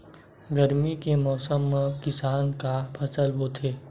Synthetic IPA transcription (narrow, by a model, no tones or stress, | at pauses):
ɡəɾmikemɔːsəmːẽkɪsaːnkapʰɐsəlbot̪ʰeː